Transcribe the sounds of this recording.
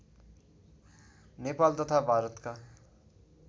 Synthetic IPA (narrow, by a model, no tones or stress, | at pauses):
nepalt̪ʌt̪ʰabʱaɾʌt̪ka